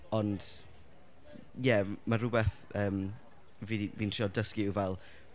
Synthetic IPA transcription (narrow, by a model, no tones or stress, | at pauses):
ɔnd̥ | jɛmaɾʊbɛθ | əːm | viviːntʰr̥iɔdəskɪuvɛlˠ